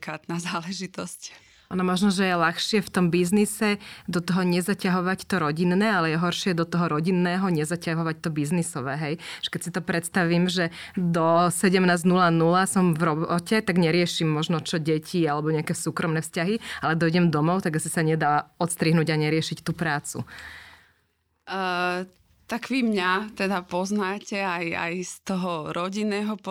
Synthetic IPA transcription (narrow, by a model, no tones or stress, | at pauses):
kaːt̪nazaːlɛʒit̪ɔsc | anɔmɔʒnɔʒɛjɛlaxʃɪɛft̪ɔmbiznisɛd̪ɔt̪ɔɦɔɲɛzacaɦɔʋact̪ɔɾɔɟinːɛːalɛjɛɦɔɾʃɪɛd̪ɔt̪ɔɦɔɾɔɟinːɛːɦɔɲɛzacaɦɔʋact̪ɔbiznisɔʋɛːɦɛjʒ̥ɛ̥kɛcsit̪ɔpɾʔɛt̪st̪aʋiːmʒɛd̪ɔsɛɟɛmnaːznulanulasɔmvɾɔbɔcɛt̪aɡɲɛɾɪɛʃimːɔʒnɔt͡ʃɔɟɛcʰialɛbɔɲɛakɛsuːkɾɔmnɛːfscaɦialɛd̪ɔiɟɛmd̪ɔmɔʊt̪aɡasisaɲɛd̪aːɔt̪st̪ɾiɦnuːɟaɲɛɾɪɛʃict̪uːpɾaːt͡sṵ | t̪aɡʋimɲat̪ɛd̪apɔznaːcɛaja̰jst̪ɔɦɔɾɔɟinːɛːɦɔp